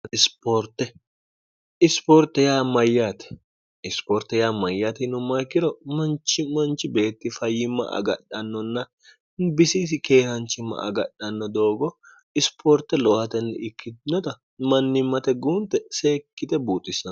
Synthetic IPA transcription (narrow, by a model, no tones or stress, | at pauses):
ɪspoɾt̪ːɛ | ʔɪspoːɾt̪ːɛjaːmɐjːaːt̪ɛ̥ | ɪspoːɾt̪ːɛjaːmɐjːaːt̪ɛnʊmːɐjkːɪɾɔmɐnt͡ʃːɪmɐnt͡ʃːɪbe̞ːt̪ːɪfɐjɪmːɐ̰ʔɐ̰ɡɐɗɐnːɔnːɐ | bɪsis̬ɪke̞ːhɐnt͡ʃːɪmːɐ̰ʔɐ̰ɡɐɗɐnːɔd̪o̞ːɡɔ | ɪspʰoːɾt̪ːɛlɔʔhɐt̪ɛnːɛ̰ɪkːɪd̪nːɔt̪ɐ | mɐnːɪmːɐt̪ɛɡuːnt̪ːɛseːkːɪt̪ɛbuːt̪ʼːɪsːɐ